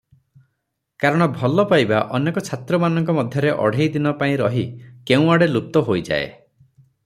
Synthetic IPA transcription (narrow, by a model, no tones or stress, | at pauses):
kaɾɔɽ̃ɔbʱɔlɔpajbaʔɔnekɔt͡ʃʰat̪ɾɔmanɔŋkɔmɔd̪ʱjɔɾeʔɔ̰ɽ̤ejd̪inɔpaĩɾɔɦikeũaɽelup̚t̪ɔɦojd͡ʒa̰ḛ